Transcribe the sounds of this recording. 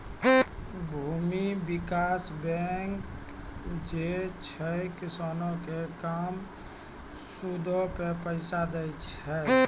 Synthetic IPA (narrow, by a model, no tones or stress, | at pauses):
bʱuːmibɪkaːsbɛŋk | d͡ʒet͡ʃʰɛkɪsaːnõkekaːm | sud̪ʱopepəɪsad̪əɪt͡ʃɦɛ